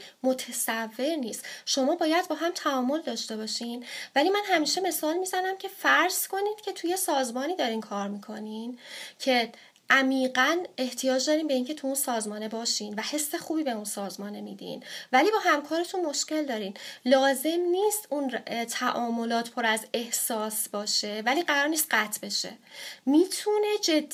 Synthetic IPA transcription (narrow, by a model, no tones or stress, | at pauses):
mot̪ʰesævːe̞ɾniːst̪ʃo̞mɒːbɒːjæd̪̚bɒːɦæmt̪ʰæɒːmo̞ld̪ɒːʃt̪e̞bɒːʃinvæliːmænɦæmiːʃe̞me̞sɒːlmiːzænæmcʰe̞fæɾz̥kʰo̞niːd̪̥cʰe̞t̪ʰuje̞sɒːzmɒːniːd̪ɒːɾiːnkʰɒːɾmiːkʰo̞nincʰe̞ | ʔæmiːɢæne̞ht̪ʰijɒːd͡ʒd̪ɒːɾiːmbe̞iːncʰet̪ʰuunsɒːzmɒːne̞bɒːʃiːnvæhe̞sːe̞xuːbiːbe̞unsɒːzmɒːne̞miːd̪ḭnvæliːbɒːhæmkʰɒːɾe̞t̪ʰunmo̞ʃce̞ld̪ɒːɾiːnlɒːze̞mniːst̪unt̪ʰæʔɒːmo̞lɒːt̪pʰo̞ɾæze̞hsɒːsbɒːʃe̞væliːɢæɾɒːɾniːst̪̚ɢæt̪ʰbe̞ʃḛmiːt̪ʰune̞d͡ʒed̪ː